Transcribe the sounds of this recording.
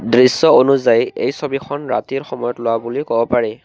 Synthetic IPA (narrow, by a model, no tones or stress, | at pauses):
dɹisːɔonuzajejsobixʰɔnɹa̰tiɹxɔmɔjɔtlʊwabulikɔbɔpaɹɛ